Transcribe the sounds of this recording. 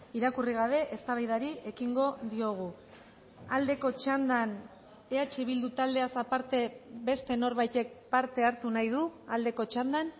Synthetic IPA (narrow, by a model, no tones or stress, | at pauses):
iɾakuriɣ̞aβ̞e̞ʔest̪aβajðaɾie̞kiŋɡo̞ðio̞ɣ̞u | ald̪e̞ko̞t͡ʃand̪an | e̞at͡ʃeβ̞ild̪ut̪ald̪e̞asapaɾt̪e̞βe̞st̪e̞no̞ɾβajt̪e̞k̚paɾt̪e̞aɾt̪unajðuald̪e̞ko̞t͡ʃand̪an